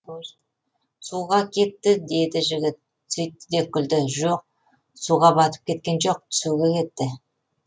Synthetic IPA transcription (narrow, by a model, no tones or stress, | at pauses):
suʁɑkʲʰe̞t̪ːɪd̪e̞d̪ɪʒɪɡʲɪt̪̚ | sʏjt̪ːɪd̪e̞kʲʰːʏld̪ɪʒoq̚ | suʁɑbɑt̪ə̥p̚kʲʰe̞t̪̚kʲe̞nʒo̞q̚t̪ʰʏ̥suɡʲe̞kʲʰe̞t̪ːɪ